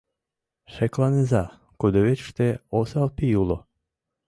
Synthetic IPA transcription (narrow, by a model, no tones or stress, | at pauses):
ʃeklˠɑnezɑ | kud̪oβet͡ɕʃt̪eosɑlpijulo